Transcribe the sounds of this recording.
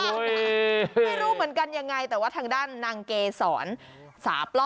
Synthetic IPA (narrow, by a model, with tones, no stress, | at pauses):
a˥˩jɾuː˦˥˩mɯ˩˦ənka˧nja˧ŋːa˧jt̪ɛː˨˩waː˥˩t̪ʰaː˧ŋdaː˥˩nːaː˧ŋkeː˧sɔː˩˦n | sa̰ː˩˦plɔ˥